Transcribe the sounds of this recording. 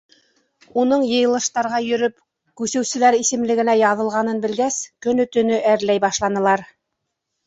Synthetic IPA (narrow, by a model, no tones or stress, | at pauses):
unɤɴjɤ̆jɤ̆lˠɤ̆ʃt̪ɑɾʁɑjɵ̆ɾɵp | kʉsɵ̆wsɘ̆læɾisɘ̆mlɘ̆ɡɘ̆næjɑðɤ̆lˠʁɑnɤnbɘ̆lɡæskɵnɵ̆t̪ɵ̆nɵʔæɾlæjbɑʃlˠɑnɤ̆lˠɑɾ